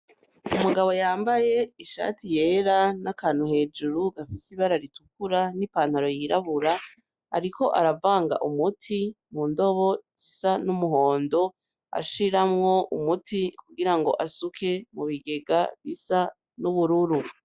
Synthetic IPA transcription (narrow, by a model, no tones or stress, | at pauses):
umuɡaβo̞jaːmbaje̞iʃa̰ːtʰije̞ːɾanakaːnuhe̞ːd͡ʒuɾuɡ̥afisiβaɾaɾitukuɾanipaːn̥haɾo̞jiɾaβuɾa | a̰ɾikʰo̞ʔaɾavaːŋɡa̰ʔumutʰimundo̞βo̞zisanumuɦo̞ːndo̞ | a̰ʃiɾamŋo̞umutʰikuɡiɾaŋɡo̞̰ʔasukʰe̞muβiɡe̞ɡaβisa | nuβuɾuɾu